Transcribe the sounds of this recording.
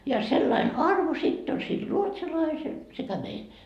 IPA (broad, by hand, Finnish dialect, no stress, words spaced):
jɑ selːɑin ɑrʋo sitː on sil ruotsɑlɑisel sekæ meil